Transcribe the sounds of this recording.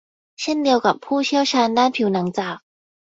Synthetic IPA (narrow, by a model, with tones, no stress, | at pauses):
ɕɛ˥nlji˧ʊka̰˨˩mpʰu˥˩ɕja˥ɕa˧nla˥npʰji˨˧˦na˨˧˦ŋt͡sa˨˩